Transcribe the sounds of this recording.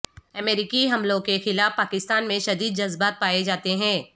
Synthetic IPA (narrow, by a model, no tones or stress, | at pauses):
ɐmeːɾɪkiɦɐmlõkexɪlaːfpaːkɪst̪aːnmẽʃɐd̪iːd̪̚d͡ʒɐzbaːt̪̚paːed͡ʒaːt̪eɦɛ̃ː